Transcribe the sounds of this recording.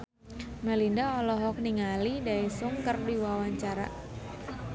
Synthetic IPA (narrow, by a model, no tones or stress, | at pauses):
mɛlindaɔlɔɦɔk̚niŋalidaisʊŋkərdiwawaɲt͡ʃaɾa̰